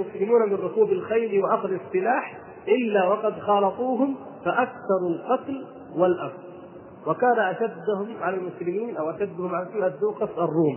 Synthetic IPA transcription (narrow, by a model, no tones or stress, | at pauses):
mʊslɪmuːnamɪnɾʊkuːbalxajɾwɪʔɑsɾɑsˤːɨlaːħ | ʔɪlːawɑqɑd̪xɑːlɑt̪ˤuːɦʊm | faʔakθɑɾˤalqɑt̪l | walʔɑfˤ | wakaːnaʔaʃad̪ːʊhʊmʕalalmʊslɪmiːnʔawʔaʃad̪ːʊhʊmʕalasiːad̪ːuːqɑsɑrˤːuːm